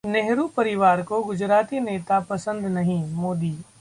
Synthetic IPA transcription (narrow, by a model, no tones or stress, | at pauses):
neɦɾupɐɾɪʋaːɾkoɡʊd͡ʒɾaːt̪iːneːt̪apɐsə̃nd̪nɐɦĩmoːd̪iː